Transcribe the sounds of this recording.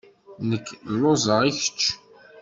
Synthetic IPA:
nəkːlːozˤəʁiçə̥t͡ʃː

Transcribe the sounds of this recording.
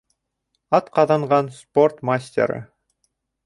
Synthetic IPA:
ɑt̪qɑðɑɴʁɑnsport̪masʲtʲḛɾə̰

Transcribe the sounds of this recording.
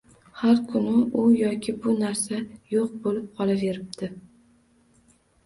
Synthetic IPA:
haɾkʰʊnɪʔʊjɒkʲʰɪbʊnaɾsajoq̚bolɪp̚qʰɒlˠave̞ɾɪb̚d̪̥ɪ

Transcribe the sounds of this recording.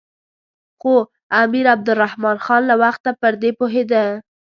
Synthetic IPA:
xo | amiɾab̚d̪ʊrahmɑnxɑnlawaxt̪ːapəɾd̪epoɦed̪a

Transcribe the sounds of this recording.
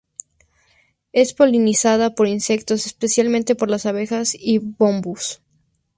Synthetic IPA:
e̞spo̞linisaðapo̞ɾinse̞kt̪o̞sespe̞sjalmẽnt̪e̞po̞ɾlasaβe̞xasiβo̞mbus

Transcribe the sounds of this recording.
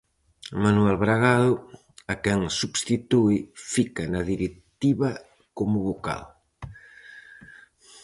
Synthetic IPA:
manuɛlβɾaɣaðʊ | akɛŋsubst̪it̪uifikanaðiɾekt̪iβɐ | komʊβoka̰l

